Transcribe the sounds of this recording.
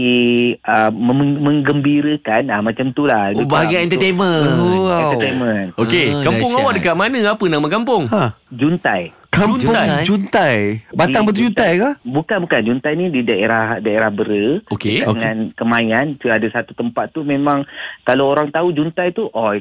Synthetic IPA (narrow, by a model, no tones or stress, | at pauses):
iəəmə̃ŋɡəmbiɾəkanamãt͡ʃamt̪ulaibaaɡaɛnt̪ət̪emə̃aɛnt̪ət̪emə̃nokekapʊŋawaʔdəkaʔ̪̚manə̃apənamakampʊŋad͡ʒunt̪aj | kapad͡ʒunt̪ajbaiaŋbət̪ud͡ʒunt̪ajkabukanbukand͡ʒunt̪ajnididaeɾahdaeɾahbəɾəokeəkaoəŋŋankəmajant͡ʃuadasat̪ut̪əmpat̪ːumẽmãŋkalaoɾaŋt̪aud͡ʒunt̪ajt̪uʔɔ